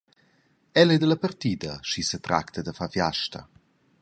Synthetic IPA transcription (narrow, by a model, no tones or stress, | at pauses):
ɛlɛd̪ələpərt̪iːd̪ɐʃisət̪ɾa̰kt̪ʰəd̪əfafjaʃt̪ə̰